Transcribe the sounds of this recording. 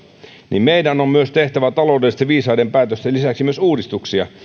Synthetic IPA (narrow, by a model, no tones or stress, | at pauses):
nʔḭmmeidænommyøst̪eht̪æʋæt̪ɑloudelːist̪ɑʋiːsɑidempæːt̪øst̪elisæksimyøsuːdist̪uksiɑ̰